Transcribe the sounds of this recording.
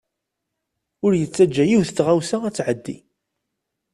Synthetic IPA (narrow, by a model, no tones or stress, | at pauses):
ʊɾjət͡sːæd͡ʒːæjiwθətːʁawsaæt͡sːʕəd̪ːḭ